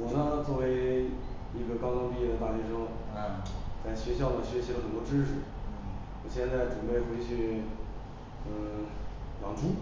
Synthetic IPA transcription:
wɔ˨˩na˥t͡swɔ˥˩we˧˥ɪ | i˥˩ɡə˧kɑ˥ʊkɑ˥ŋpi˥˧jɛ˥˩d̪ə˩t̪a˥˩t͡ɕɛ˧˥ʂɤ˥ŋ | t͡sa˥˩ɪɕɥɛ˧˥ɕjɑ˥˩ʊd̪ə˩ɕɥɛ˧˥ɕi˧˥ə˧xə˨˩nt̪wɔ˥ʈ͡ʂɻ̩˥ʂɻ̩˨˩ | wɔ˨˩ɕjɛ˥˧nt͡sa˥˩ɪʈ͡ʂu˨˩pe˥˩ɪxwe˥ɪt͡ɕʰy˥˩ | ə˥˧˩lɑ̰˨˩ŋʈ͡ʂʰu˥

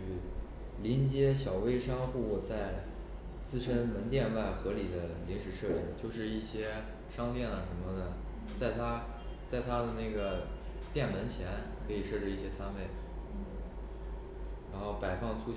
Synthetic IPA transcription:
y˥˩ | li˧˥nt͡ɕjɛ˥ɕjɑ˨˩ʊwe˥ɪʂɑ˥ŋxu˥˩u˥˩t͡sa˥˧ɪ | t͡sɹ̩˥˩˧ʂə˥nmə˧˥nt̪jɛ˥˧nwa˥˩ɪxɤ˧˥li˨˩d̪ə˦li˧˥nʂɻ̩˨˩ʂɤ˥˧y˥˩t͡ɕjo˥˧ʊʂɻ̩˥˧i˥˩ɕjɛ˥ | ʂɑ˥ŋt̪jɛ˥˩nə˩ʂə˧˥nmə˧nə˩ | t͡sa˥˩ɪt̪ʰa˥ | t͡sa˥˩ɪt̪ʰa˥d̪ə˨na˥˩ɪɡə˩ | t̪jɛ˥˩nmə˧˥nt͡ɕʰjɛ˧˥nkʰɤ˧˥i˨˩ʂɤ˥˧ʈ͡ʂɻ̩˥˧i˥˩ɕjɛ˥t̪ʰa˥npe˥˩ɪ˥ | ɻa˧˥nxo˥˩ʊpa˨˩ɪfɑ˥˩ŋʈ͡ʂʰu˥

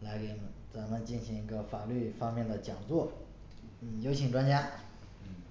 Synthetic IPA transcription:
la˧˥ɪke˧˥˩nə˧˥nt͡sa˨˩nə˧˦t͡ɕi˥˩nɕi˧˥ŋi˧˥ɡə˧fa˨˩ly˥˩fɑ˥ŋmjɛ˥˩nd̪ə˩t͡ɕjɑ˨˩ŋt͡swɔ˥˩ | n̩˥˩jo˥ʊt͡ɕʰi˧˥ŋʈ͡ʂwa˥nt͡ɕja˥˩

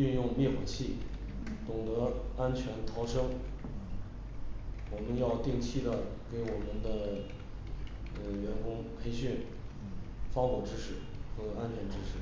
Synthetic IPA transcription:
y˥˧njʊ˥˧ŋmjɛ˥˩xwa˨˩t͡ɕʰi˥˩ | t̪ʊ˨˩ŋt̪ɤ˧˥a˥nt͡ɕʰɥɛ˧˥nt̪ʰɑ˧˥ʊʂɤ˥ŋ | wɔ˨˩mə˧˦njɑ˥˧ʊt̪i˥˧ŋt͡ɕʰi˥˩d̪ə˩ke˧˥ɪwɔ˨˩mə˧˦nd̪ə˧ | ɥɛ˧˥nkʊ˥ŋpʰe˥ɪɕy˥˩n | fɑ˥ŋxwɔ˨˩ʈ͡ʂɻ̩˥ʂɻ̩˥˩ | xɤ˧˥a˥nt͡ɕʰɥɛ˧˥nʈ͡ʂɻ̩˥ʂɻ̩˥˩

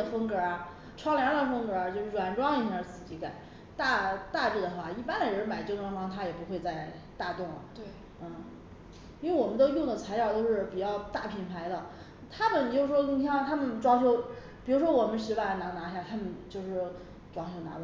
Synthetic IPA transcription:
ə˧fɤ˥ŋkə˞˧˥˧ | ʈ͡ʂʰwɑ˥ŋljɑ˧˥d̪ə˨fɤ˥ŋkə˧˥˧t͡ɕjo˥˧ʊʂɻ̩˥˩ʈ͡ʂwa˨˩nʈ͡ʂwɑ˥ŋi˥˩˧sɹ̩˨˩t͡ɕi˧˥ka˨˩˦ | t̪a˥˧t̪a˥˧ʈ͡ʂi˥˩d̪ə˩xwa̰˥˩i˥˩pa˥nd̪ə˨ɻə˧˥nma˨˩ɪt͡ɕjo˥˩ʊnʈ͡ʂwɑ˥ŋʈ͡ʂwɑ˥ŋt̪ʰa˥jɛ˨˩pu˧˥xwe˥˧ɪt͡sa˥˧ɪ | t̪a˥˧t̪ʊ˥˩ŋɐ̰˩t̪ | n̩˥˩ | i˥we˥˩ɪwɔ˨˩mə˦nt̪o˧˥ʊjʊ˥˩ŋd̪ə˩t͡sʰa˧˥ɪljɑ˨˩ʊt̪o˥ʊʂɻ̩˥˩pi˨˩t͡ɕjɑ˥˧ʊt̪a˥˩pʰi˨˩npʰa˧˥ɪd̪ə˧ | t̪ʰa˥mə˨n˨t͡ɕo˥˧ʊʂʂwɔ˥i˥ŋʰjɑ˥˧t̪ʰa˥mə˨nʈ͡ʂwɑ˥ŋɕjo˥ʊ | pi˨˩ɻu˧˥ʂwɔ˥wɔ˨˩mə˦nʂɻ̩˧˥wa˥˩na˧˥na˧˥ɕja˥˩t̪ʰa˥mə˨nt͡ɕjo˥˧ʊʂɻ̩˥˩ | ʈ͡ʂwɑ˥ŋɕʰjo˥ʊna̰˧˥la˧˩

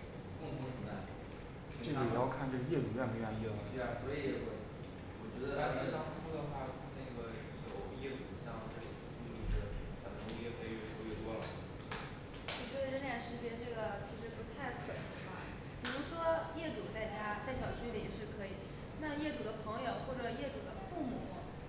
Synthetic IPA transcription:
kʊ˥˩ŋt̪ʰʊ˧˥ŋʂʰə˨˩a˥˩˨ | ʈ͡ʂɤ˥˩ɡə˩ɛ˨˩jɑ˥˧ʊkʰa˥˧nʈ͡ʂɤ˥˩ɡə˩jɛ˥˩ʈ͡ʂu˨˩˥ja˥˩nmu˧˥a˥˩njɛ˥˩mə˨˩t̪e˥˧˩a˨˩swɔ˧˥i˧˥wɔ˨˩ | wɔ˨˩t͡ɕɥɛ˧˥d̪ə˧t̪a˥˩t͡ɕi˧˥ə˨˩t̪ɑ˥ŋʈ͡ʂʰu˥d̪ə˨xwa˥˩ | na˥˩ɡə˩ | jo˨˩ʊjɛ˥˩ʈ͡ʂu˨˩ɕjɑ˥˧ŋʈ͡ʂe˥˩˨i˥˧˥fa˨˩˥i˥jɛ˥˩kʰe˥i˨˩ɛ˥˩ʂɔ˥ɥjɛ˥˩t̪wɔ˥lə˨˩ | o˥˩ɔ˥˧˩ə˥nljɛ˧˩nʂɻ̩˥t͡ɕjɛ˥˧ʈ͡ʂɤ˥˩ɡə˩t͡ɕʰi˧˥ʂɻ̩˧˥pu˧˥t̪ʰa˥˩ɪkʰə˨˩˧a̰˥˩ | pi˨˩ɻu˧˥ʂwɔ˥jɛ˥˩ʈ͡ʂu˨˩t͡sa˥˩ɪt͡ɕja˥t͡sa˥˩ɪɕjɑ˨˩ʊt͡ɕʰy˥˩li˨˩ɛ˨˩ʂɻ̩˥˩kʰɤ˧˥i˨˩˦ | na˥˧jɛ˥˩ʈ͡ʂu˨˩d̪ə˦pʰɤ˧˥ŋjo˨˩ʊxwɔ˥˩ʈ͡ʂə˨˩jɛ˥˩ʈ͡ʂu˨˩d̪ə˦fu˥˩mṵ˨˩˦

